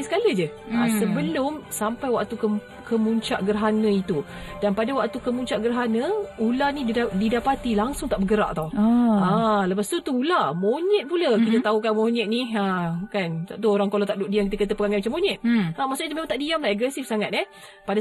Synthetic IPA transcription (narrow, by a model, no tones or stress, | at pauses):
sə̥kaləd͡ʒə | asəbəlʊmsampajwak̚t̪ukə | kəmuɲt͡ʃaʔɡərɦanə̃it̪u | danpadawak̚t̪ukəmuɲt͡ʃaʔɡərɦanə̃ulanididapat̪ilaŋsʊŋt̪aʔbəɡəɾa̰ʔt̪awãləpast̪ut̪uulamoɲɛt̪̚puləkit̪ət̪aukamoɲɛt̪̚niakant̪aʔt̪uoɾaŋkolot̪aʔduʔ̚diamkit̪əkət̪̬əpəɡaŋajmat͡ʃamːõɲɛt̪̚ʔamaʔsʊʔit̪umẽmãŋt̪aʔdiamlahɛɡɛsifsaŋat̪̚ɛ | pada